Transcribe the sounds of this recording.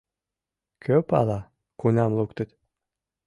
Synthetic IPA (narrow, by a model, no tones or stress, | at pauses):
kʰøpɑ̰lˠɑ | kunʲɑmlˠukt̪ə̆t̪